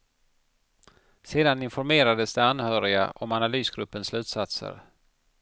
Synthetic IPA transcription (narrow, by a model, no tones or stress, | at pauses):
seːd̪anɪnfɔɾmeːɾad̪əsd̪ɛanhœːɾɪa̰ʔɔmanalyːsɡɾɵpːənslʉ̟ːt̪sat̪sə̰ɾ